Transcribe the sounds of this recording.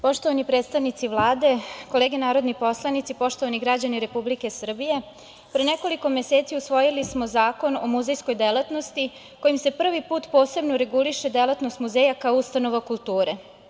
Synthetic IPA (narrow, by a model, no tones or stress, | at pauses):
po̞ʃt̪oʋanipɾeːt̪st̪aʋnit̪siʋlˠaːd̪e̞kole̞ːɡenaːɾo̞d̪nipo̞slˠanit̪sipo̞ʃt̪o̞ʋaniɡɾad͡ʑaniɾe̞publike̞sr̩bije̞ | pɾeneko̞liko̞me̞se̞ːt̪siusʋo̞jilismo̞zaːko̞nomuzejsko̞jd̪elat̪no̞st̪i | ko̞jimse̞pr̩ʋipuːt̪po̞ːse̞bnoɾe̞ɡuliʃe̞d̪elat̪nost̪muzeːjakaoust̪ano̞ʋakulˠt̪uːɾe